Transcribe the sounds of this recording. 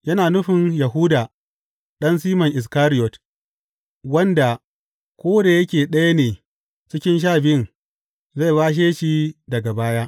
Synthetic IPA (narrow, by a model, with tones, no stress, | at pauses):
jɐ˦naː˨nʊ˦ɸɪ˨njɐ˨ɦu˦da˨ | ɗɐ˦ns̬iː˦mɐ˨ŋʔɪ˨s̬kaː˦ɾɪ˦jɔ˨t | wɐ˦nda˨ | kʷoː˦da˨jɐ˦kʲeː˨ɗɐ˦ja˦neː˨ | t͡ʃɪ˦kʲɪ˦nʃ̬aː˦˨bɪ˦˨n | ze˦˨baː˦ʃ̬eː˦ʃi˦dɐ˨ɡa˨baː˦jaː˦ʔ